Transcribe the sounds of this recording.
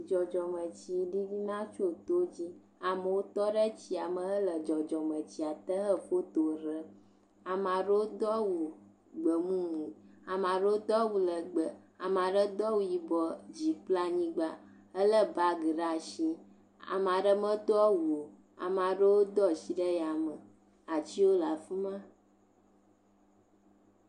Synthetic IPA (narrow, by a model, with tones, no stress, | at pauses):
d͡ʒɔ˨d͡ʒɔ˨mə˨t͡ɕi˨ɖi˦vi˦nã˦t͡ʃo˦t̪o˦d͡ʑi˦ | a˨mə˨wo˦t̪ɔ˦ɖə˦t͡ɕi˨˦a˨mə̃˨ɦə˦lə˨d͡ʒɔ˨d͡ʒɔ˨mə̃˨t͡ɕi˨a˨t̪ə˦ɦə˦fo˦t̪o˨ɾə˦ | a˨mã˨ɖə˦wo˦d̪ɔ˦wu˨ | ɡ͡bə˨mũ˦mũ˨a˨mã˨ɖə˦o˦d̪ɔ˦wu˨lə˨ɡ͡bə˨a˨mã˨ɖə˦d̪ɔ˦wu˦ji˨bɔ˦d͡ʑi˨k͡pla˦ɲĩ˦ɡ͡ba˦ | ə˦lə˦ba˦ɡə˨ɖa˦˨ʃĩ˦ | a̰˨m˨a˨ɖə˦mə̃˦t̪ɔ˦wu˨o˨ | a̰˨mã˨ɖə˦wo˦d̪ɔ˦˨si˦ɖə˦ja˨mə˨ | a˨t͡ɕi˦wo˦la˨fi˦mã˦